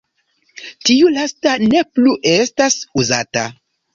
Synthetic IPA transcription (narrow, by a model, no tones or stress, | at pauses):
tiulastane̞pluʔe̞stasuzata